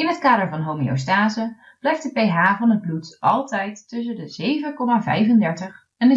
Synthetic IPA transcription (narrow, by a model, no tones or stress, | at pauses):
ɪnɦətkaːdəɹvɑnɦowmḭo̰staːzə | b̥lɛjftdəpejɦaːvɑnəd̚blutʔɑlˠtɛjtːɵs̬əndəzejvəkɔmaːvɛ̰jfəndɛɹtəχ | ɛnə